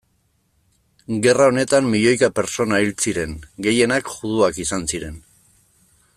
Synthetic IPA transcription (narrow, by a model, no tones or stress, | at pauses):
ɡe̞rao̞ne̞t̪amːiʎo̞jkape̞ɾt͡so̞nailt͡siɾe̞ŋɡe̞je̞nakʝuð̞uakisansiɾe̞n